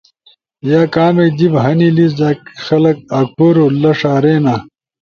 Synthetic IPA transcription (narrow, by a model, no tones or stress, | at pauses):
jaːkaːmed̪ibɦɐnilis̬d̪aːkxɐlɐk̚aːk̚pʰoɾolɐʂaːɾeːnaː